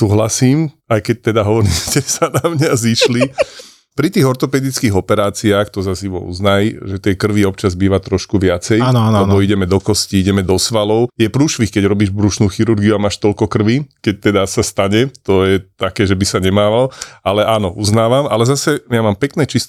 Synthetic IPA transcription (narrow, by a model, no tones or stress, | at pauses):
suːɦlasiːm | ajkɛc̚t̪ɛd̪aɦɔʋɔɾiːscɛsanamɲaziʃli | pɾit̪iːɣɔɾt̪ɔpɛːd̪it͡skiːɦɔpɛɾaːt͡siaːxt̪ɔzaziʋɔ̰ṵznajʒɛt̪ɪɛkr̩ʋiɔp̚t͡ʃazbiːʋat̪ɾɔʃkuʋɪat͡sɛjllɛbɔiɟɛmɛd̪ɔkɔsciiɟɛmɛd̪ɔsʋalɔʊjɛpɾuːʃʋixkɛɟɾɔbiːʒbɾuʃnuːxiɾuɾɡiuamaːʃt̪ɔlkɔkr̩ʋikɛc̚t̪ɛd̪asast̪aɲɛt̪ɔjɛt̪akɛːʒɛbisaɲɛmaːʋalalɛʔaːnɔʔuznaːʋamalɛzasɛjamaːmpɛknɛːt͡ʃist̪